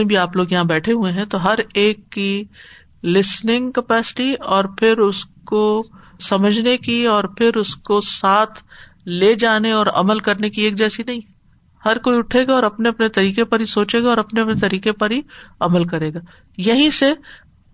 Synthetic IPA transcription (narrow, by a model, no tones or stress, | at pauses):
ẽbʱiaːploːɡjɐɦãbɛːʈʰeɦuẽɦɛ̃t̪oɦɐɾeːkːi | lɪsnɪ̃ŋɡkɐpɛːsɪ̥ʈiɔːɾpʰɪɾʊsko | sɐməd͡ʒʱnekiɔːɾpʰɪɾʊskosaːt̪ʰ | leːd͡ʒaːneɔːɾɐ̰məlkɐɾnekieːk̚d͡ʒɛːsinɐɦĩ | hɐɾkoːiʊʈʰeːɡaɔːɾɐpneɐpnet̪ɐɾiːkepɐɾɦisoːt͡ʃeːɡaɔːɾɐpneɐpnet̪ɐɾiːkepɐɾɦiɐməlkɐɾeːɡaː | jɐɦĩse